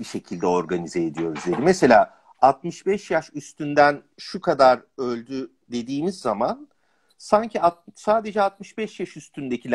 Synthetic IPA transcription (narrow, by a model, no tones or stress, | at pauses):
biʃe̞cʰilʲd̪ɛo̞ɾɡanizeed̪ijo̞ɾuzlʲeɾimese̞lʲaː | at̪̚mɯʃbɛʃjaʃyst̪ynd̪æn | ʃukʰad̪aɾø̞lʲd̪y | d̪e̞d̪iːmizːaman | saɲcʰiat̪̚saːd̪e̞d͡ʒɛat̪̚mɯʃbɛʃjaʃyst̪ʰynd̪e̞cʰilʲ